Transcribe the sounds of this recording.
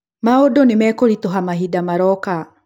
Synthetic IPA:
maodonemɛkoɾitoɦamaɦidamaɾɔka

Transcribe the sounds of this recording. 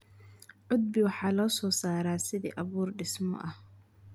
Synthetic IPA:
ʕʊd̪̚bɪwɑħɑːlɔːsɔːsaːɾaːsɪðḭːʔɐβuːrɖɪsmɔ̰ʔɐh

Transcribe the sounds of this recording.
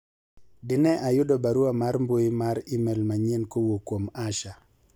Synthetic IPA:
dɪnɛʔajʊdɔbaɾuamaɾmbojimaɾɪmɛlmaɲenkowokwomaʃa

